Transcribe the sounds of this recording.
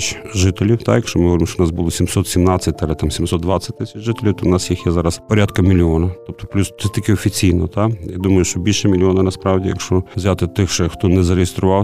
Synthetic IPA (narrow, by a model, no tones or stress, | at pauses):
t͡ʃ | ʒɪt̪elʲiwt̪ɑjɐkʃt͡ʃɔmɪɦɐɔɾɪmʃt͡ʃoʊnɑsbulˠɔsʲimsɔt̪sʲimnɑt͡sʲːɐt̚ʲɐlˠɛt̪amsʲimsɔt̪d̪ʋɑt͡sʲːɐt̚ʲt̪ːɪsʲɐt͡ʃʐʒɪt̪elʲiwt̪ɔʊnɑsjixjɛzɑɾɐspɔɾʲat̪kɐmʲilʲiɔnɐt̪ɔp̚t̪ɔplʲust̪ɛt̪ikɪɔfʲit͡sʲijnɔt̪ajad̪umɐjʊʃt͡ʃɔbʲilʲʃɛmʲilʲiɔnɐnɐspɾɑwdʲijɐkʃt͡ʃɔwzʲat̪ɪt̪ɪxʃɛxt̪ɔnɛzɐɾejɪst̪ɾʊʋɑw